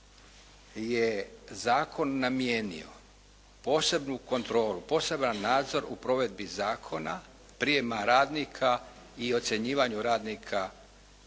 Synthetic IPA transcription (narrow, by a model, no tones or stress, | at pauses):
jezaːkʰo̞nːamje̞nḭo̞̰ | po̞ːse̞bnuko̞nt̪ɾo̞ːlupo̞ːse̞banːaːd̪zo̞ɾupɾo̞ːʋe̞d̪̚bizaːkʰo̞na | pɾijemaɾaːd̪nikʰa | io̞t̪se̞ɲiːʋaɲuɾaːd̪nikʰa